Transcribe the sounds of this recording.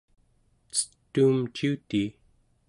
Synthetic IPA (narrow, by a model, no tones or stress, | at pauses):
t͡sə̥t̪ːuːmt͡ʃiut̪iː